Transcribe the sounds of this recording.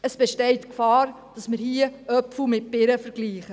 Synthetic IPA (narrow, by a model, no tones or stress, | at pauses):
əsb̥ɛʃtɛɪtkfɑːɾ | d̥ɑsmɪɾhiəœpfumɪt̚pɪɾəfəɾɡ̥liːχə